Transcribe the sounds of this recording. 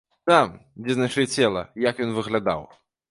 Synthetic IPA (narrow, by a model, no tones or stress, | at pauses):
t̪amd͡zʲɛznaʂɨɛt͡sʲɛlˠɐ̰jakjɔnvɨɣlʲad̪a̰w